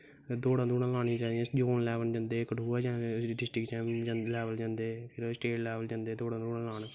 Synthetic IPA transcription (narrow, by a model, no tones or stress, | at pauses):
d̪oːɽãːd̪uːɽãlaːnĩd͡ʒãːd̪iɛ̃ːd͡ʒoːnlɛːʋənd͡ʒãːnd̪eːkɖuːaːd͡ʒãːɖɪsʈɾɪkt͡ʃɛmlɛːʋəld͡ʒãːnd̪eːpʰɪɾsʈeːʈlɛːʋəld͡ʒãːnd̪eːd̪oːɽãːd̪uːɽãːlaːn